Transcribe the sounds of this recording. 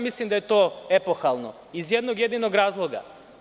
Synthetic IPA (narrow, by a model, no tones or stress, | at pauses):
mislˠimd̪ajet̪oːe̞poxalˠno | izjed̪noɡje̞d̪inoɡɾaːzlˠoɡa̰